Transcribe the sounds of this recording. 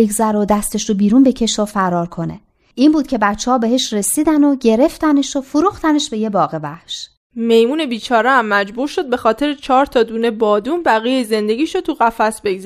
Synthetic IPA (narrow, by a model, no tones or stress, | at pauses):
eɡzæɾod̪æst̪e̞ʃɾobiːɾuːnbe̞cʰe̞ʃofæɾɒːɾkʰo̞ne̞̰ | ʔiːmbuːd̪̥̚cʰʲe̞bæt͡ʃʰːehɒːbe̞ɦe̞ʃɾe̞siːd̪ænoɟe̞ɾe̞ft̪æneʃofoɾuːxt̪æne̞ʃbe̞je̞bɒːɣe̞væ̰hʃ | me̞jmuːne̞biːt͡ʃʰɒːɾeæmːæd͡ʒbuɾʃo̞d̪̚be̞xɒːt̪ʰe̞ɾet͡ʃʰɒːɾt̪ʰɒːd̪uːnebɒːd̪uːnbæɣijejze̞nd̪e̞ɟiːʃot̪ʰuɣæfæsbeɡzæ